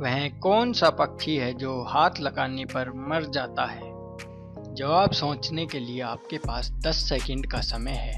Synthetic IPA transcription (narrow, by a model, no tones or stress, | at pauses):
ʋɛɦkɔːnsapɐkt͡ʃʰiɦɛd͡ʒoːhaːt̪ʰlɐɡaːnepɐɾmɐɾd͡ʒaːt̪aɦɛː | d͡ʒɐʋaːbsõːt͡ʃnekelieaːp̚kepaːsd̪ɐsːeːkə̃ɳɖkasɐməjɦɛː